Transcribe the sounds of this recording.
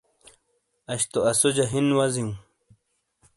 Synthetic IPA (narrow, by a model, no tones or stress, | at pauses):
aɕt̪oasod͡ʑaɦinwaziŋ